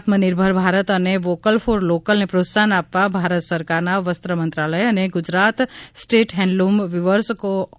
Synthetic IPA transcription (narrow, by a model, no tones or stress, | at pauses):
t̪mənɪɾbʱəɾbʱaːɾət̪əneʋoːkəlpʰoːɾloːkəlnepɾoːt̪saːnaːpːabʱaːɾət̪səɾkaːɾnaʋəst̪ɾəmɐ̃nt̪ɾaːləjɐneɡʊd͡ʒɾaːt̪sʈeːʈɦɛ̃ːɳɖlumʋɪʋəɾsko